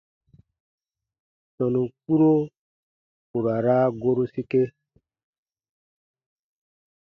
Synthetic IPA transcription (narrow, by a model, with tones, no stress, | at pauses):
sɔ˨nũ˨k͡pu˦ɾo˦ | ku˨ɾa˨ɾa˦ɡo˦ɾo˦si˦ke˦